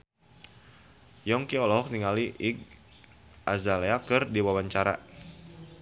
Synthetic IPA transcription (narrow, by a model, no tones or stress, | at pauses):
jɔŋkiɔlɔɦɔk̚niŋaliʔiɡ̚ | ʔazaleakɨrdiwawaɲt͡ʃaɾa̰